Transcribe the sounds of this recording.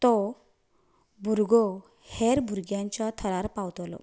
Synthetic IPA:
t̪ɔ | bʱuɾɡɔ | heɾbʱuɾɡjãɲt͡ɕat̪ʰəɾaɾpawt̪lɔ̰

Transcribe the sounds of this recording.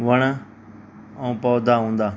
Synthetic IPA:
ʋəɳ̃ə | ə̃ũːpɔːd̪aːɦũːnd̪aː

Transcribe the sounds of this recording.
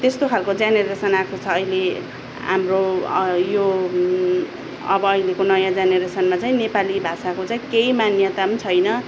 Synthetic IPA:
t̪est̪okʰalkod͡zjaneɾesʌnakʰot͡sʰʌːile | a̰mrojo | ʌ̰bʌːilekonʌjãd͡zjaneɾesʌnmat͡saĩnepalibʱasakot͡saĩkejmanjʌt̪amʌnt͡sʰʌjnʌ

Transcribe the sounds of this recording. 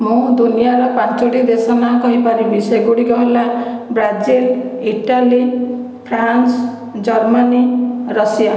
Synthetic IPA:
mũd̪unijaɾʌpãnt͡soɽid̪esʌnakʌɦipanibisʌjɡuɽiɡʌɦelabrad͡ziliʈali | pʰrans | d͡ʒʌrmaniɾʌsja

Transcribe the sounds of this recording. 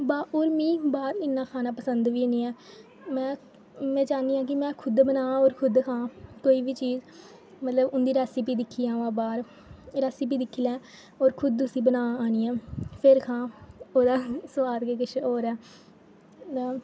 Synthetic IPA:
baːoːɾmĩːbaːɾɪnːãːkʰaːnaːpəsənd̪ʋiːniːɛː | mɛ̃ː | mɛ̃ːt͡ʃaːniːãːk̬ɪmɛ̃ːkʰʊd̪bənaːoːɾkʰʊd̪kʰãːkoːiːʋiːt͡ʃiːz | mət̪ləbʊnd̪iːɾɛːsiːp̬iːd̪ɪkʰːiːãːʋãːbaːɾ | ɾɛːsiːp̬iːd̪ɪkʰːilɛː | oːɾkʰʊd̪ʊsĩːbənaːaːniːɛ̃ːpʰɪɾkʰãːoːd̪aːsəʋaːd̪keːkɪt͡ʃʰoːɾɛː | t̪ãː

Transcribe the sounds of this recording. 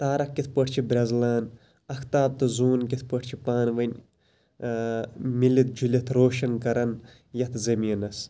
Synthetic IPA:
t̪aːɾɐkːit̪ʰpɐʈʰt͡ʃʰibɾʲɐzlaːn | ɐkʰt̪aːb̚t̪ɨzuːnkit̪ʰpɐʈʰt͡ʃʰipaːnʋɐnʲ | milit̪̚d͡ʒulʲit̪ʰɾoːʃɐnkɐɾɐn | jɐt̪ʰzɐmiːnɐs

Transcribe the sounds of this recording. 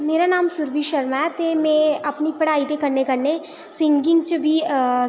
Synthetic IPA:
meːɾanaːmsʊɾbiʃɐɾmaːt̪emẽɐpnipɐɽ̤aːit̪ekɐɾnekɐɾne | sɪ̃ŋɡɪ̃ŋɡt͡ʃəbʱi

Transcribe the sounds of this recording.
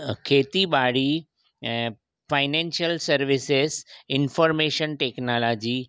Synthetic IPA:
kʰeːt̪iɓaːɽi | ɛ̃ | faːɪnɛ̃ːnʃijəlsɐɾʋɪsɪzɪnfɔːɾmeːʃənʈeːknaːlɔːd͡ʑi

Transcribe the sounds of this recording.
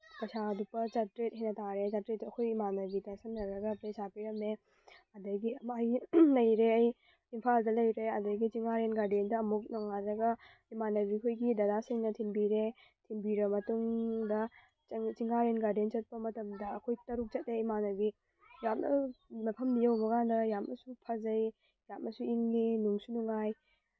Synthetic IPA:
pɐsadupɐt͡ʃatɾet̚ɦɐjnɐtaɾet͡ʃatɾet̚dɐːkʰojimanɐbitɐsɐnnɐɾɾɐɡɐpɾesapiɾɐme | ɐdɐɡiɐmɐjlɐjɾeɐj | impʰaldɐlɐjɾeɐdɐɡit͡ʃiŋɡaɾenɡadendɐːmuk̚nɔŋaɾɐɡɐ | imanɐbikʰojɡidɐdasiŋnɐtʰimbiɾe | tʰinbiɾɐmɐtuŋdɐ | t͡ʃiŋaɾenɡadent͡ʃɐt̚pɐmɐtɐmdɐːkʰojtɐɾuk̚t͡ʃɐt̚eijmanɐbi | jam̚nɐ̰mɐpʰɐmnijɐwmɐɡandɐjam̚nɐsupʰɐzɐj | jap̚nɐsuiŋːinuŋsunuŋaj

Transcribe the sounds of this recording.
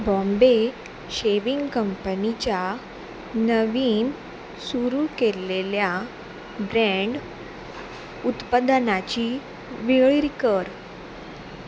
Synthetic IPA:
bɔ̃mbe | ɕeʋiŋɡkəmpənit͡ɕja | nəʋiːn | suɾukelelja | bɾɛɳɖ | ut̪pəd̪ənat͡ɕiː | ʋiɭiɾikəɾ

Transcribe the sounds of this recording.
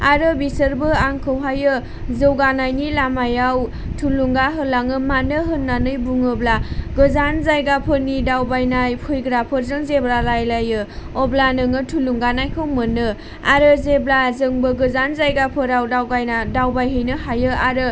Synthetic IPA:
aɾɯbisɯɾbɯaŋkʰɯwɦajɯ | zɯwɡanajnilamajaw | tʰuluŋɡaɦɯlaŋɯmanɯɦɯnːanɯjbuŋɯblaɡɯzanzajɡapʰɯɾnidawbajnajpʰɯjɡɾapʰɯɾzɯŋzebɾalajlajɯɔblanɯŋɯtʰuluŋɡanajkʰɯwmɯnːɯ | aɾɯzeblazɯŋbɯɡɯzanzajɡapʰɯɾawdawɡajnadawbajɦɯjnɯɦajɯaɾɯ

